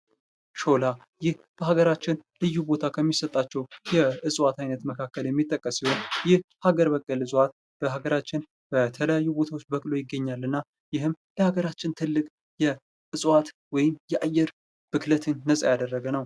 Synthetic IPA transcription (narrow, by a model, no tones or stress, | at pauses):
t͡ʃo̞la | jɪh | b̥əhaɡəɾat͡ʃːɪnlɨjːubo̞t̪ʰakʰəmːisət̪ʼːat͡ʃːɛwjɛɨsʼwat̪ajnət̪məkʰakːəljɛmːit̪ʼːəkʼːəsihonjɪhhaɡəɾbəkʼːɨlɨsʼwat̪̚ | b̥əɦaɡəɾat͡ʃːɪn | bət̪ʰələjajːubo̞t̪ʰawo̞t͡ʃːbəkʼlo̞jɪɡːəɲːalːɨnːa | jɪɦɨmləhaɡəɾat͡ʃːɪnt̪ʰɨlːɨkʼ | jɛ | ʔɨsʼwat̪ | wɔjɪmjɛʔajːɛɾ | b̥ɨklət̪ʰɨnːəsʼajad̪ərːəɡənəw